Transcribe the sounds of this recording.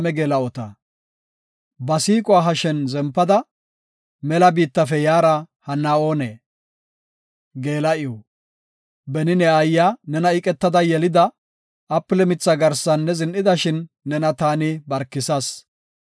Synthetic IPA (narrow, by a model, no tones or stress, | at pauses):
mɛɡeːlɐɔt̪ɐ | bɐsiːkʼʊwaːɦɐʃɛnzɛmpːɐd̪ɐ | mɛlɐbiːt̪ːɐfɛjaːɾɐ | hɐnːao̞ːneː | ɡe̞ːlɐɪɔ | bɛnɪnɛɐjːanɛnɐɪkʼɛt̪ːɐd̪ɐjɛlɪd̪ɐ | ɐpːɪlɛmɪt͡sːɐɡɐɾsɐnːɛzɪnʔɪd̪ɐʃɪnː | ɛnɐt̪aːnɪbɐɾkːɪsɐs